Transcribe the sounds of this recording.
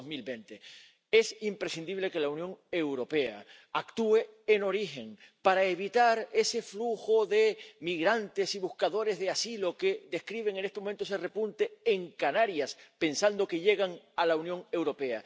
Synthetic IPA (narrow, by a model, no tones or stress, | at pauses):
zmilbe̞nt̪e | e̞simpɾe̞sind̪iβle̞ke̞launjõ̞ŋe̞wɾo̞pe̞a̰ | akt̪ue̞eno̞ɾixe̞ŋpaɾaeβ̞it̪aɾe̞se̞fluxoðe̞miɣɾant̪e̞siβuhkaðo̞ɾe̞zðe̞asilo̞ke̞ðe̞hkɾiβ̞e̞ŋenest̪emõmẽnt̪oesere̞punt̪e̞ːŋkanaɾjaspe̞nsand̪o̞ke̞ʎe̞ɣ̞aŋalaunjõ̞ŋe̞wɾo̞pe̞a